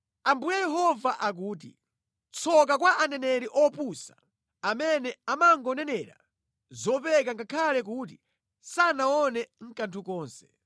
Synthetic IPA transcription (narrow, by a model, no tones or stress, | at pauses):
ambujajɛɦɔvaʔak̬uːt̬ḭ | t͡sʰɔk̬ak̬waʔanɛnɛɾiʔɔpusa | amɛnɛamaŋɡɔnɛnɛɾa̰ | zɔpɛk̬aŋɡakʰalɛk̬uːt̬i | sanaɔnɛŋ̩kantʰukɔːnsɛ̥